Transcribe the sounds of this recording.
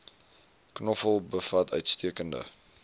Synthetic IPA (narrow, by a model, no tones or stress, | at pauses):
knɔfəlˠbəfɐtʰœɥtstiəkəndə̰